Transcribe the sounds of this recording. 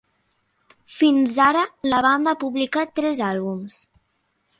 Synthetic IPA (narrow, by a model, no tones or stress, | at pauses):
finzaɾələβand̪aapuβlikat̪ːɾɛzalˠβums